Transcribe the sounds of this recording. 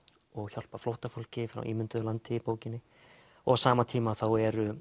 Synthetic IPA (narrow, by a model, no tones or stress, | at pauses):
ɔɣçjɔl̥paflowht̪afowlcɪfɾa̰wʔiːmʏnt̪ʏlant̪ʰɪpoːwcɪnːɪ | ɔsaːmat̪ʰiːmaθawɛɾʏ